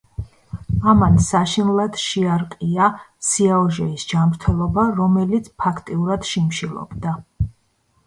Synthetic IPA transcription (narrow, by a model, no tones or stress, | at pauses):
amansaʃinlˠad̪̥ʃiaɾqʼiasiaɔʒɛisd͡ʒamɾt̪ʰɛlˠɔbaɾɔmɛlit̪sʰpʰakʰt̪ʼiuɾad̪̥ʃimʃilˠɔ̰bd̪a